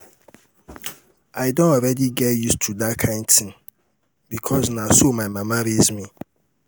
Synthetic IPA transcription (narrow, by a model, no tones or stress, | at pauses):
aɪdõnɔɾɛdiɡɛtjustʰudatkʰãɪ̃ndtʰɪ̃ŋ | bikʰɔsnãsomãɪmãmaɾizmĩ